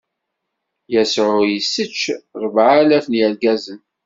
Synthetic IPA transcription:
jæsʕʊjəsːət͡ʃːɾˤəvʕalæfnjæɾɡæzən

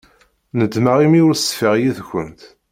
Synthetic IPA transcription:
nəd̪maʁimiʊɾsfəʁjiθçʷənt̪

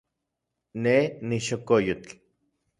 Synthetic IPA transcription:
neniʃokojut͡ɬ

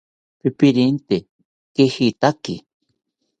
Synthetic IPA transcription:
pipiɾint̪e | kehit̪akḭ

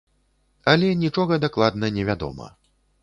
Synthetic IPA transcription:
ɐlʲɛnʲit͡ʂɔɣɐd̪aklˠad̪nɐnʲɛvʲad̪ɔ̰mɐ̰

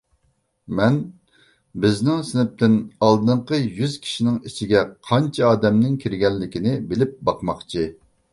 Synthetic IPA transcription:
mɛn | bɪznɪŋsɪnɪp̚t̪ɪnɑlˠd̪ɨɴqəjyz̥kʲʰi̥ʃinɪŋit͡ʃʰiɡʲɛqʰɑnt͡ʃʰɛɑːd̪ɛmnɪŋkʲʰiɾɡʲɛlːɪkʲinɪbɪlɪp̚bɑqmɑχt͡ʃʰi

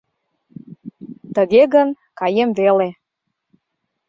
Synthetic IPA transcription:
t̪əɣeɣən | kɑjemvele

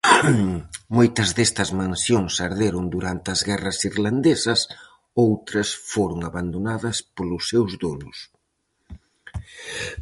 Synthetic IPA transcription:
mojt̪ɐzðɛst̪ɐzmãnsjoŋsaɾðeɾʊnd̪uɾant̪ɪɐzɣɛrɐsiɾland̪esɐs | owt̪ɾɐsfoɾʊŋaβand̪onaðɐspolʊsːewzðonʊs

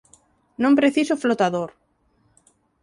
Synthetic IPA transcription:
nõmpɾeθisoflot̪aðoɾ

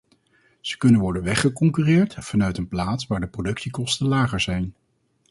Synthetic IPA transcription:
z̥ə̥kɵnənʋɔɹdənʋɛχəkɔŋkyrɪːɹtfɑnœɥtənplaːtsʋaːɹdəprodɵksikɔstənlaːχəɹzɛjn

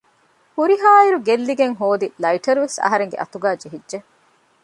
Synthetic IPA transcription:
huɾiɦaːiɾuɡelːiɡeŋɦoːd̪ilɐiʈɐɾuʋesɐ̰ɦɐɾeŋɡḛʔɐ̰t̪uɡaːd͡ʒeɦidʒe

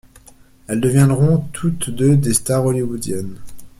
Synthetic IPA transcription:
ɛld̪əvjɛ̃d̪ʁɔ̃t̪ʰut̪d̪ød̪est̪aʁɔliwud̪jɛn

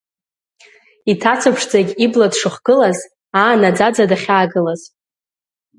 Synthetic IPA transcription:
itʰat͡sʷʰapʰʂd͡zaɡʲibladʂɨχɡ̥ɨlaz | aːnad͡zad͡zadaχʲaːɡɨlaz̥

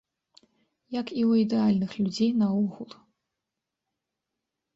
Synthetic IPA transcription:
jɐkiwid̪ɛalʲnɨxlʲud͡zʲejnɐuɣulˠ

